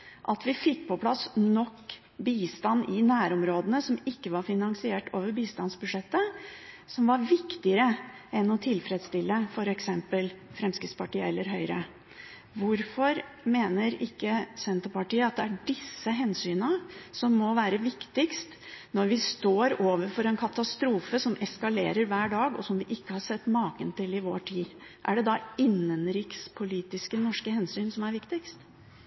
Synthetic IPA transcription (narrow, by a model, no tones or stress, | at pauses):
ʔɑt̪ʋɪfɪkːpʰɔpʰlɑsnɔkː | biːst̪ɑnːɪnæːɾɔmɾoːd̪ənəsɔmɪkːəʋɑɾfɪnɑŋsɪeːʈo̰ːʋəɾbiːst̪ɑnsbʉʂɛt̪ːə | sɔmʋɑɾʋɪkt̪ɪəɾəɛnɔt̪ʰɪlfɾɛd̪st̪ɪlːəfɔɾɛksɛmpəlfɾɛmskɾɪt̪spɑʈiːəɛlːəɾɦœʏɾə | ʋʊɾfɔɾmeːnəɾɪkːəsɛnt̪əɾpɑʈiːəɑt̪̚d̪ɛæɖɪsːəɦɛnsyːnəsɔmːɔʋæːɾəʋɪkt̪ɪkst̪nɔɾʋɪst̪oːɾoːʋəɾfɔɾɛnkʰɑt̪ɑst̪ɾuːfəsɔmʔɛskɑleːɾəɾʋæːɖɑːɡɔ̰sɔmʋɪʔɪkːəhɑʂɛt̪ːmɑːkənt̪ɪlɪʋoːʈʰiː | ʔæɖɛd̪ɑɪnːənɾɪkspʰʊliːt̪ɪskənɔʂkəhɛnsyːnsɔmæɾʋɪkt̪ɪkst̪